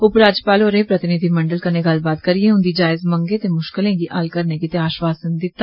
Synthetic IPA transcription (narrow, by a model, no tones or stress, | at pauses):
ʊpɾaːd͡ʒpaːloːɾeːpɾət̪ɪnɪd̪ʱiːməɳɖəlkəneːɡəlbaːt̪̚kəɾieːʊ̃nd̪iːd͡ʒaːɪzməŋɡẽːt̪eːmʊʃkɪlẽːɡiːʔa̰ːlkəɾnẽːɡit̪eaːʃʋaːsənd̪ɪt̪ːa